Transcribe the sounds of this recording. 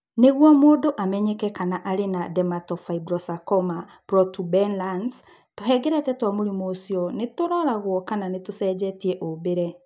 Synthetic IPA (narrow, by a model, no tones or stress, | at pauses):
neɣwɔmoːdoʔamɛɲekɛkanaʔaɾenadɛmatɔfaibɾɔsakɔma | pɾɔtubɛnlans | toɦɛɡɛɾɛtɛtwamoɾimoːsjɔnetoɾɔɾaɣwɔkananetosɛd͡ʑɛtiɛʔobeɾɛ